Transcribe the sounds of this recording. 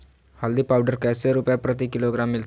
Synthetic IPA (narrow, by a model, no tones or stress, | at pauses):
hald̪iːpawɖəɾkajseɾupjapɾət̪̬iːkiloɡɾamːilt̪